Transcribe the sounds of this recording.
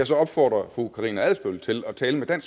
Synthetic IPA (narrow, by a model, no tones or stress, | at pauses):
ɑ̈sɒ̽ɒ̽b̥fɒ̰ːd̥ʁɐfʁukʰɑ̈ʁḭːnæðˠsb̥ølt͡sʰe̝lɒt͡sʰɛːləmed̥æn̰s